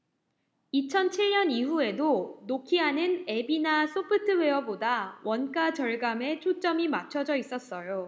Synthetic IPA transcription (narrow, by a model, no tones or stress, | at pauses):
it͡ɕʰʌnt͡ɕʰiɭɲʌniɦue̞donokʰiɦanɯne̞binas͈ʰopʰɯtʰɯwe̞ʌbodawʔʌnk͈at͡ɕʌɭɡame̞t͡ɕʰot͡ɕ͈ʌmimat͡ɕʰʌd͡ʑʌis͈ʌs͈ʌjo